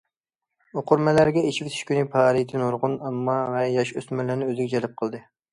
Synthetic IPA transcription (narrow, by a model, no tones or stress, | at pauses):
oqʰʊɾmɛlæɾɡʲɛet͡ʃʰivt̪ʰi̥ʃkʲynɪpʰɑːɾit̪ʰɪnoɾʁʊnɛmːɑʁɛjjɑʃøsmɪɾlɪɾnɪøzɪɡʲɛd͡ʒɛlɪp̚qʰəlˠd̪ɨ